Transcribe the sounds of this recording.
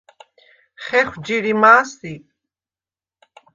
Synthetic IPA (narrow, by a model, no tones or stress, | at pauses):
χɛχʷd͡ʒiɾimaːsipʼ